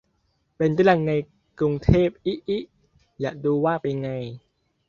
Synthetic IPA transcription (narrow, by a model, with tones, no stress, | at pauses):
pe˧nt̪aː˥˩˨la˧˩ŋna˧j | kɾu˧ŋt̪ʰeː˥˩p̚ʔi˦˥ʔi˦˥ʔ | jaː˨˩ʔduː˧waː˥˩pa˧jŋa˧j